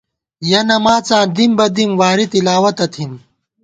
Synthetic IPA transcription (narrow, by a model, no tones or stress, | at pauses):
jɐnɐmaːt͡sãːnd̪imbɐd̪imwaːɾit̪ilaːwɐt̪ɐt̪ʰim